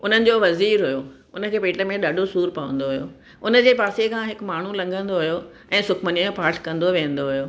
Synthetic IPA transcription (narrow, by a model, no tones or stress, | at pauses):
ʊn̤ənɪ̆d͡ʑoːʋɐziːɾɦʊjo | ʊnə̆kʰeːpeːʈə̆mẽɗɐɖʱosuːɾpɐʋə̰̃nd̪oɦʊjo̰ː | ʊnə̆d͡ʑeːpaːsekʰãɦɪkmaːɳ̤ulɐ̃ŋɡʱə̃nd̪oɦʊjo | ɛ̃ːsʊkʰməniõpaːɾʈʰkɐ̃nd̪oʋẽːə̃n̆d̪oɦʊjoː